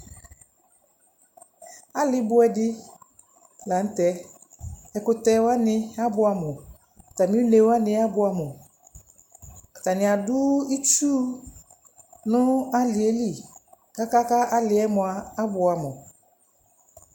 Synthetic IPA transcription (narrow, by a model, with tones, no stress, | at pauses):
a˦lɪ˦bʊ˦ɛ˨dɪ˦ | la˨n̩˦tɛ˦ | ɛ˨kʊ˨tɛ˦wa˦nɪ̃˦a˦bʊ˨a˨mʊ̃˨ | ta˨mĩ˦ne˨wa˦nɪ̃˦a˦bʊ˨˦a˨mʊ˨ | ta˨nɪ̃˨a˨dʊ˦i˦t͡ʃu˦ | nʊ̃˦a˦lɪ˨e˦li˨ | ka˦ka˦ka˦ʔa˦lɪ˨˦ɛ˦mʊ̃˨aː˨˦bʊ˨a˨mʊ̃˨